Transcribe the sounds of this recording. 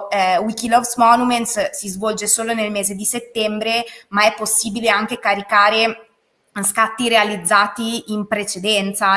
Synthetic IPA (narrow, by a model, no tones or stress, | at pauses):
wikilɔvsmɔnument̪ssizvɔld͡ʒesoːlonelmeːzed̪iset̪ːɛmbɾemaɛpːosːiːbileaŋk̟ekaɾikaːɾe | skat̪ːiɾealid̪zːaːt̪iimpɾet͡ʃed̪ɛnt̪sa